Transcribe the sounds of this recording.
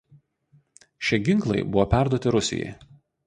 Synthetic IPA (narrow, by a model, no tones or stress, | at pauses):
ʃʲiɛɡʲɪŋˑklˠɐɪbʊʋopʲæˑɾd̪uɔt̪ʲɪɾʊsʲɪ̰jɛ̰j